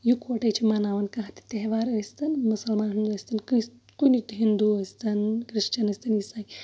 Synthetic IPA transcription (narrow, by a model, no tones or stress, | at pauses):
jukoʈɐjt͡ʃʰimanaːʋɐnkɐɦɐt̪i̥t̪eɦʋaːɾɐst̪ɐnmusɐlmaːnɦind̪uɐsʲt̪ɐnkɨ | kunit̪uɦind̪uɐst̪ɐnkɾiʃt͡ʃɐnɐsʲt̪ʰɐnjisaːj